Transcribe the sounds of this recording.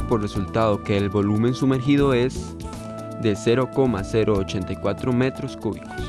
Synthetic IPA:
pore̞sult̪aðo̞ke̞ːlbo̞lumẽ̞nsume̞ɾxið̞o̞e̞z | d̪e̞se̞ɾo̞ko̞mase̞ɾo̞ːt͡ʃe̞nt̪ajkwat̪ɾo̞me̞t̪ɾoskuβiko̥s

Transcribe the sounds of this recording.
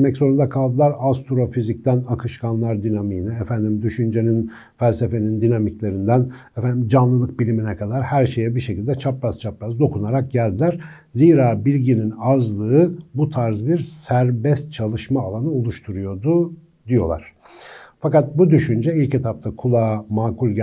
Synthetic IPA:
mɛcso̞ɾund̪akʰalˠd̪ɯlˠaɾast̪ʰɾo̞fizic̚t̪ʰænakʰɯʃkʰanlˠaɾd̪inamiːniɛfænd̪imd̪yʃynd͡ʒe̞nin | fælʲse̞fe̞nind̪inamiclʲe̞ɾind̪ænɛfænd̪imd͡ʒanlˠɯlˠɯk̚bilʲiminɛkʰad̪aɾhæɾʃe̞jɛbiɾʃe̞cilʲd̪ɛt͡ʃʰapɾazt͡ʃʰapɾazd̪o̞kʰunaɾak̚ɟælʲd̪ilʲæɾ | ziːɾaːbilʲɟininazlˠɯɯbut̪ʰaɾzbiɾsæɾbɛst̪̚t͡ʃʰalˠɯʃmaːlˠanɯo̞lˠuʃt̪ʰuɾujo̞d̪u | d̪ijo̞̰lˠa̰ɾ̥ | fakat̪̚bud̪yʃynd͡ʒɛilʲcet̪ʰapt̪ʰakʰulˠamaːkulʲɟ

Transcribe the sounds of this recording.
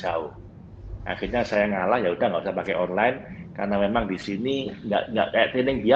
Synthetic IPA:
d͡ʒau | ʔa̰χirɲasajaŋalahjaud̥ahŋɡaʔusahpakɛʔɔnlajɪnka̰rnamemaŋdisiniŋɡa̰ʔŋɡa̰ʔkajaʔt̪inɪŋbia

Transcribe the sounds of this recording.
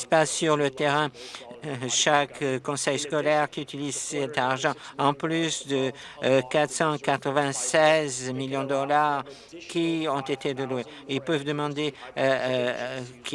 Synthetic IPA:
spasyʁlət̪eʁɛ̃ | ʃakkːɔ̃sɛjskɔlɛʁkʲiyt̪ilizsɛt̪aʁʒɑ̃ɑ̃plysd̪ə | kat̪χsɑ̃kat̪χəvɛ̃sɛzmiljɔ̃d̪əɔlaʁ | kʲʰiɔ̃t̪et̪ed̪əlwe | ilpøvd̪əmɑ̃d̪e | k

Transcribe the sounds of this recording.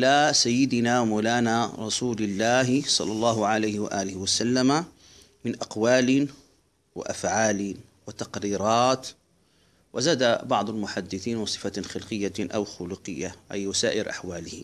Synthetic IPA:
ʔɪlasajːɪd̪ɪnawmuːlaːnaɾˤɑsuːlɪlːaːɦɪsˤɑ̰lːɑlˤːɑːɦʊʕalajhɪwa̰ʔaːlɪhɪwasalːama | mɪnʔaqwaːlɪn | wɪ̰ʔafʕaːliːn | wɪt̪ɑqɾiːɾˤɑːt̪ | wʔɪzaːd̪abɑʕd̪ˤalmʊħad̪ːɪθiːnwɪsˤɨ̥faxɪlqɪjːaʔa̰wxʊluqɨjːaʔajwasaːʔɪɾʔa̰ħwaːlɪhɪ

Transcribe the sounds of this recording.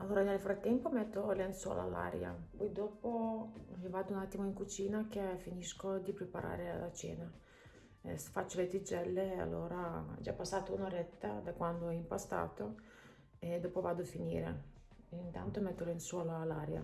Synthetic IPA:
alːoːɾanelfɾat̪ːɛmpomɛt̪ːolenswɔ̰ːla̰alːa̰ɾja̰pɔjd̪ɔːpomivaːd̪ounat̪ːimoiŋkut͡ʃiːnakefiniskod̪ipɾepaɾa̰ːɾea̰lat͡ʃɛ̰ːna̰ | sfat͡ʃːolet̪id͡ʒɛlːea̰lːoːɾad͡ʒa̰pːasːaːt̪ounoɾɛt̪ːa̰d̪akwand̪oɛimpast̪a̰ːt̪o | ed̪oːpovaːd̪oafinḭːɾḛ | int̪a̰nt̪omɛt̪ːolenswɔːlaːlːaɾja̰

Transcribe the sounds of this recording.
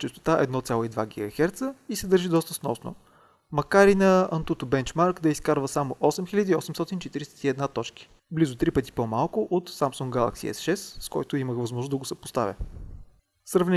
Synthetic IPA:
t͡ʃɛst̪o̥t̪aʔɛ̰d̪nɔt̪sʲalˠoid̪vaɡʲiɡɐxɛɾt̪səisɛd̪əɾʒid̪ɔst̪əsnɔ̰sno̰ | mɐkaɾinɐɐnt̪ut̪obɛnt͡ʃmaɾkd̪ɐiskaɾvəsamoʔɔsɛmxilʲəd̪iːɔsɛmst̪ɔt̪int͡ʃɛt̪iɾisɛ̥t̪iɛd̪nat̪ɔt͡ʃki̥ | blizʊt̪ɾipət̪i̥pɔmalˠkʊʔot̪samsuŋɡɡalˠa̰ksḭɛ̰sʃɛst̪skɔjt̪ʊiməxvɐzmɔʒnozd̪ɐɡʊsɛpo̥st̪a̰vʲə̰ | sɾɐvnɛ

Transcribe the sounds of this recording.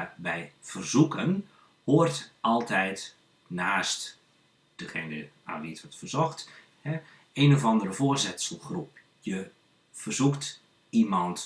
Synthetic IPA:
bɛjv̥ərzukən | hoːrtɑlˠtʰɛjt | naːst | d̥əχeːnə | a̰ːnʋiətʋɔtfərzɔxt | hɛ | eːnovɑndərəvoːrzɪtsəlˠxrup̚ | jə | v̥ərzukt | imɑnt

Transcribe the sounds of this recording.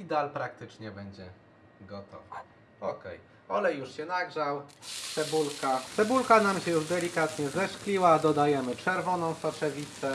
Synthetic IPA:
id̪alpɾak̚t̪ɘt͡ʂɲɛbɛɲd͡ʑɛ | ɡɔt̪ɔ̰va | ɔkɛ̰j | ɔlɛjuʂɕɛnaɡʐawt̪sɛbulkat̪sɛbulkanamɕɛjuʐd̪ɛlʲikat̪ɲɛzɛʂklʲiwad̪ɔd̪ajɛmɘpʂɛɾvɔnɔ̃w̃st̪ɔt͡ʂɛvʲit̪sɛ

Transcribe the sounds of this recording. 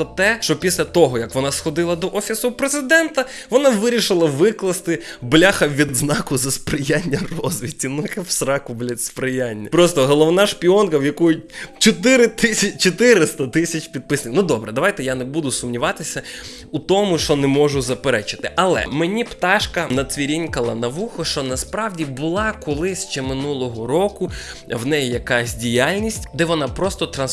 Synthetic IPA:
ɔt̪ɛʃt͡ʃɔpʲisʲlʲɐt̪ɔɦɔjɐkʋɔnɑsxɔd̪ɪlˠɐd̪ɔʔɔfʲisʊpɾezɪd̪ɛnt̪ɐ | ʋɔnɑʋɪɾʲiʃɪlˠɐʋɪklˠɐst̪ɪblʲaxɐʋʲid̪znɑkʊzɐspɾɪjanʲːɐrɔzʋʲɪtʲːinut̪kɛwsɾɑkʊblʲɐspɾɪjanʲːɐpɾɔst̪ɔɦɔlˠɔʋnɑʃpʲiɔnkɐwjɐkujʊt͡ʃɔt̪ɪɾɪt̪ɪsʲɐt͡ʃɔt̪ɪɾɪst̪ɐt̪ɪsʲɐt͡ʃʲpʲid̪̚pɪsnɪknud̪ɔbɾɛd̪ɐʋajt̪ɛjanebud̪ʊsʊmnʲiʋɑt̪ɪsʲɐ | ut̪ɔmʊʃt͡ʃɔnɛmɔʒʊzɐpeɾɛt͡ʃɪ̥t̪ɪʔɐlˠɛ̰menʲipt̪ɑʃkɐnɐsʋʲiɾʲinʲkɐlˠɐnɐʋuxɔʃt͡ʃɔnɐspɾɑwdʲibʊlˠɑkɔlˠɪsʲʃt͡ʃɛmɪnulˠɔɦɔɾɔkʊ | wnɛjijɐkɑsʲdʲijalʲnʲisʲtʲd̪ɛʋɔnɑpɾɔst̪ɔt̪ɾɐns

